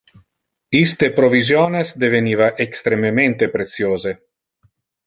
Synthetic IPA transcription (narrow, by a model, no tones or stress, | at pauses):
ist̪epɾovizjonesd̪evenivaʔekst̪ɾemement̪epɾet̪sjoːze